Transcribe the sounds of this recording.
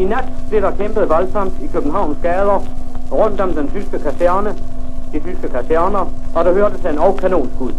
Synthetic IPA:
inæd̥b̥le̝ɾ̥ɑ̈kʰemb̥əð̩ˠʋælsʰɑnd̥ikʰøb̥n̩ɦɑ̈ʊ̰nsɡ̥ɛːð̞ˠɐʁœm̰d̥ɒmd̥ent͡sʰysɡ̥əkʰæsæɐnəd̥it͡sʰysɡ̥əkʰæsæɐnɐɒ̽d̥ɑ̈høːɐd̥əsʰæe̝nɒʊkʰæno̝̰ːnɡ̥uð̰ˠ

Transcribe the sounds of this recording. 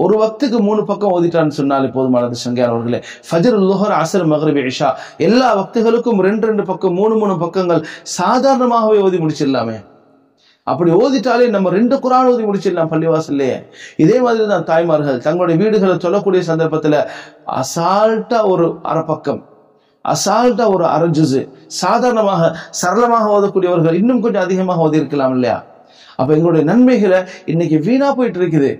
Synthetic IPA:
ɔɾɯʋɐk̚t̪ɯk̬ːɯmuːɳɯpɐkːɐ̃moːðɪʈːaːnːɯsɔnːaːlepːoːðɯmɐːnɐðd̪ɯsɐŋɡɐjaːnɐʋɐɾɣɐɭḛː | fɐd͡ʒɐɾɐlːʊɦɐɾɐsɐɾmɐɣɾɪbɪʂaːɛlːaːʋɐk̚t̪ɯɣɐɭɯkːɯmɾɛɳɖɯɾɛɳɖɯpɐkːɐmːuːɳɯmuːɳɯmpɐkːɐŋɡɐɭsaːðaːɾɐɳɐmaːɣɐʋeːoːðimʊɽɪt͡ʃːɪɾɪlːa̰ːmḛː | ʔɐ̰pːɐɽioːðɪʈːaːleːnɐmːɐɾɛɳɖɯkʊɾaːnoːðimʊɽɪt͡ʃːɪɾlːaːmpɐlːɪʋaːsɪlːɐjḛːɪðeːmaːðɪɾit̪ːaːt̪aːjmaːɾɯɣɐðt̪ɐŋɡɐɭɯɽɐjɐʋiːɽɯɣɐɭɛtɔlːɐkːuːɽɪjɐs̬ɐnd̪ɐɾpɐt̪ːɪlɐɐ̰saːlʈːaːɔɾɯʔɐ̰ɾɐpːɐkːɐm | ʔɐ̰saːlʈːaːɔɾɯɐ̰ɾɐɲd͡ʒɯsɯ̰saːðaːɾɐɳɐmaːɣɐsɐɾɐlɐmaːɣɐoːðɐkːuːɽɪjɐʋɐɾɣɐɭɪnːɯmkɔɲd͡ʒɔ̃ɐðɪɣɐmaːɣɐoːðɪɪɾɯkːɐlaːmɪlːɐja̰ː | ʔɐ̰pːɐːɛŋɡɐɭɽɐjɐnɐnmɐɪɣɐɭɐɪnːɛk̬ʲːɯʋiːnaːpoːjɪʈːɪɾɯk̬ːɐðɯ̰

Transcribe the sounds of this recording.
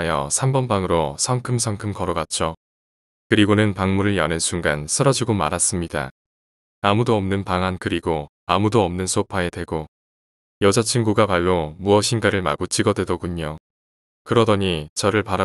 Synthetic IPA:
jʌ̰sʰambʌnbaŋɯɾosʰʌŋkʰɯmsʰʌŋkʰɯmkʌɾʌɡat͡ɕ͈o | kɯɾiɡonɯnpaŋmuɾɯɭjʌnensʰuŋɡansʰɯɾʌd͡ʑiɡoma̰ɾas͈ɯmɲida̰ | amudoʌmnɯnpaŋankɯɾiɡo | amudoʌmnɯnsʰopʰae̞dwe̞ɡo | jʌd͡ʑʌt͡ɕʰinɡuɡapaɭːomuʌɕʰinɡaɾɯɭma̰ɡot͡ɕʰiɡʌdwe̞doɡuɲo | kɯɾʌdʌɲit͡ɕʌɾɯɭpaɾa

